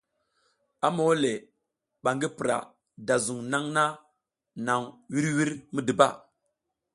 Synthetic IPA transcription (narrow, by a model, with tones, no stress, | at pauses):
a˦mo˨˦wle˨ | ɓa˨ŋɡi˦pi˨ɾa̰˨ | da˨zu˨ŋna˦ŋna˦ | na˨ŋwi˦ɾwi˦ɾmi˦di˨ba̰˦˨